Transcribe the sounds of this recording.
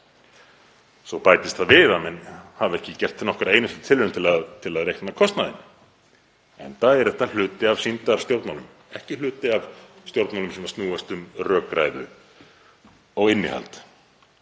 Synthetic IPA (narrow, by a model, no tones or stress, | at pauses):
sɔpajt̪ɪst̪θaðvɪːðamɛnhavɛhcɪcɛr̥t̪nɔhkaɾeːjnʏst̪ʏ̥t̪ʰɪlvʏɾʏmt̪ʰɪlat̪ʰɪlaðrejhknakʰɔst̪naðɪ̰n | ɛnθaɛɾðɛht̪al̥ʏːt̪ɪavsint̪aɾ̥st̪jowɾt̪nmanʏm | ɛhcɪl̥ʏːt̪ɪav | st̪jowɾt̪malʏmsɛmast̪nuːast̪ʏmrœːkɾa̰jðʏ | ɔɣɪnːɪ̰ha̰lt̪